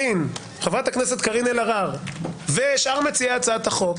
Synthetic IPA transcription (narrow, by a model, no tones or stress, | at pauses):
in | χevʁat̪aknese̞t̪kaʁinelaʁaʁveʃaʁmet͡siat͡saat̪aχok